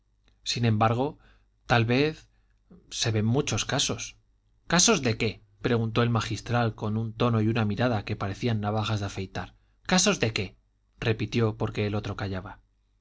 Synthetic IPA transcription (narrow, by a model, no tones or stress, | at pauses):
sinẽ̞mbaɾɣ̞o̞ | t̪alβe̞θ | se̞βe̞mmut͡ʃo̞skaso̞s | kaso̞zðe̞ke̞ | pɾe̞ɣ̞unt̪o̞e̞lmaxist̪ɾalko̞nunt̪o̞no̞junamiɾaðake̞paɾe̞θianːaβ̞axazðafe̞jt̪aɾ | kaso̞zðe̞ke̞ | re̞pit̪jo̞po̞ɾke̞ːlo̞t̪ɾo̞kaʝaβa